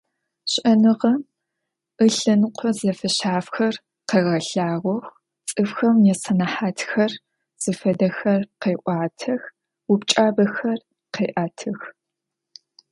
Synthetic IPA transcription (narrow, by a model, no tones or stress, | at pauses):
ɕʼʔɐnɨʁɐm | ɨɬɨnqʷʰɔzɐfɐɕaːfxɐr | qeːʁɐɬaːʁʷɔxʷ | t͡sʼɨfxɐmjɛsɐnɐħaːtʰxɐr | z̥ɨfɐdɐxɐrqeːʔʷɑːtʰɐx | wupt͡ʃʼaːbɐxɐr | qeːʔaːtʰɨx